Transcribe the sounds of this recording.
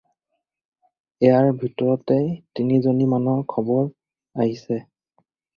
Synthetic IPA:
ɛjaɹbʱitɔɹɔtɛtinizonimanɔkʰɔbɔɹ | aɦisɛ

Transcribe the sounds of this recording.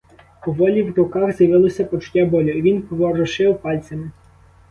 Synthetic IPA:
pɔʋɔlʲiwɾʊkɑxzjɐʋɪlˠɔsʲɐpɔt͡ʃʊ̥tʲːabɔlʲʊiʋʲinpɔʋɔɾɔʃɪwpɑlʲt͡sʲɐmɪ

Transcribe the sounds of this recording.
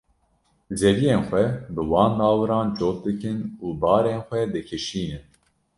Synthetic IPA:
zɛvijeːnxʷɛbɨwɑːnd̪ɑːwɨɾɑːnt͡ʃoːt̪̚d̪ɨkɨnuːbɑːɾeːnxʷɛd̪ɨkʰɨʃiːnɨn

